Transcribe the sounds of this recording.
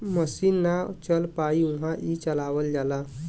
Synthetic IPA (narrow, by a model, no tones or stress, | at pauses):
məsinːat͡ɕəlpaiũɦãʔit͡ɕəlaʋəld͡ʑala